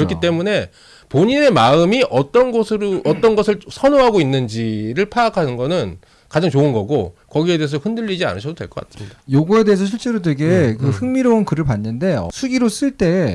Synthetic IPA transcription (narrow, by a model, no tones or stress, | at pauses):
ɾʌkʰit͈e̞mune̞ | poɲine̞maɯmiʔʌt͈ʌnɡosʰɯʌt͈ʌnɡʌsʰɯɭsʰʌnoɦaɡoinːɯnd͡ʑiɾɯɭpʰaːkʰanɯnɡʌnɯn | kad͡ʑaŋt͡ɕoɯnɡʌɡokʌɡie̞de̞es̬ʰʌɸɯndɯʎːid͡ʑia̰nɯɕʰʌdodwe̞ɭk͈ʌk͈asʰɯ̥mɲidajoɡue̞de̞ɦesʰʌɕʰiɭt͡ɕ͈e̞ɾodeɡe̞kɯɸɯŋmiɾounkɯɾɯɭpanːɯnde̞̰sʰuɡiɾos͈ɯɭt͈e̞